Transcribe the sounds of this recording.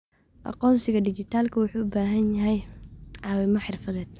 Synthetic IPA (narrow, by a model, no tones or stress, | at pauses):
ʔɑ̰qɔːnsɪɣɐɖɪt͡ʃɪt̪ʰaːlkʰɐwʊħuːʊbaːɦɐnjɐɦɛjʕɑːwɛmɐħɪrfɐðɛːd̪̥̚